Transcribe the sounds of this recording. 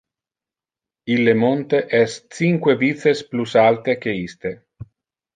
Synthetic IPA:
ilːemont̪eʔɛst͡siŋkwevit̪sesplusalt̪ekeist̪e

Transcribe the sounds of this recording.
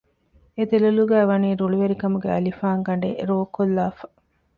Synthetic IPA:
ed̪elɐluɡæːʋɐniːɾuɭuʋeɾikɐmuɡeɐ̰lifaːŋɡɐɳɖḛɾoːkolːaːfɐ̥

